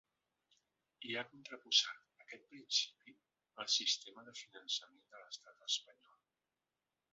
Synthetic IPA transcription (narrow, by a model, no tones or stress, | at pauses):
iakunt̪ɾəpuzat̪əkɛt̪̚pɾinsi̥pi | əlˠsist̪eməðəfinənsəmend̪ələst̪at̪əspəɲɔlˠ